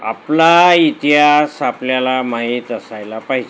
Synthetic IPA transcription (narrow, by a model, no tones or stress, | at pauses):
a̰plait̪iɦasapljalamaɦit̪əsajlapaɦid͡ʑe